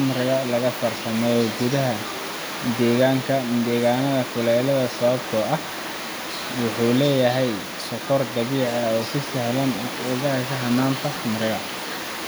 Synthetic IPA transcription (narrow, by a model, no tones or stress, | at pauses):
ʊmɾɪɣɐlɐɣɐfɐrsʰɐmɛːjɔɡʊðɐɦɐ | d̪ɛːɣaːŋkʰɐd̪ɛːɣaːnɐðɐkʰʊlɛːlɐðɐsɐβɐbt̪ʰɔʔɐh | wʊħuːlɛːjɐɦɛj | sʊkɔrɡɐβɪʕɐɔːsɪsɛhlɐnʊɣɐkʰɐɦɐnːaːnt̪ʰɐsʊmrɪɣɐ